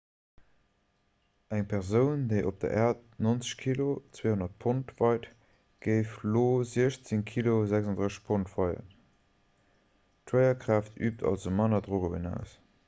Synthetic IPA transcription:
ʔæŋpʰɛʁzəʊndəɪʔop̚d̥ɐ̰ʔæːɐt̚nont͡sə̥ɕkʰilot͡sweːhonɐt̚pʰontv̥ɑɪt | ɡ̥əɪfloːziəɕt͡səŋkʰilozæksɑndʁəɕəʃpʰontv̥ɑɪɐ̰ | tʰwəɪɐkʁaːftʰyːp̚tʰɑ̰lzomɑnɐdʁoɡobə̰næ̰ʊs

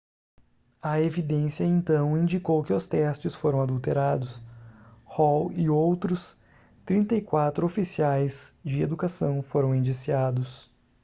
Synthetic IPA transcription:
ɐevid̪ẽsjɐẽnt̪ɐ̃w̃ĩnd͡ʒikowkɪʊst̪ɛst͡ʃɪsfoɾɐ̃w̃ad̪uwt̪eɾad̪ʊs | hɔwɪowt̪ɾʊs | t̪ɾĩnt̪ɐjkwat̪ɾʊofisiajzd͡ʒɪḛd̪ukasɐ̃w̃foɾɐ̃w̃ĩnd͡ʒisiad̪ʊs

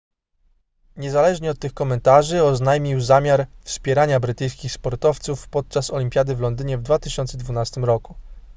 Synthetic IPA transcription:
ɲɛzalɛʐɲɛɔt̪ːɘxkɔmɛnt̪aʐɘɔznajmʲiwzamʲjaɾfspʲjɛɾaɲabɾɘt̪ɘjskʲixspɔɾt̪ɔft̪sufpɔt̪̚t͡ʂasɔlʲimʲpʲjad̪ɘvlɔnd̪ɘɲɛvd̪vat̪ɘɕɔnt̪sɛd̪vunast̪ɘmɾɔku̥

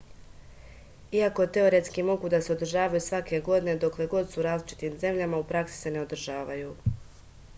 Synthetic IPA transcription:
iako̞t̪e̞o̞ɾe̞t̪skimo̞ɡud̪ase̞o̞d̪r̩ʒaːʋajusʋake̞ɡo̞d̪ne̞d̪o̞kle̞ɡo̞d̪suɾaːzlit͡ʃi̥t̪iːmze̞mʎamaupɾaksi̥se̞ne̞o̞d̪r̩ʒaːʋajuː

